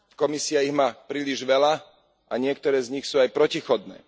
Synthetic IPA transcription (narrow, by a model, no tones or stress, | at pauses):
kɔmisɪaiɣmaːpɾiːliʒʋɛla | ʔaɲɪɛkt̪ɔɾɛːzɲixsuːajpɾɔcixɔd̪nɛ̰ː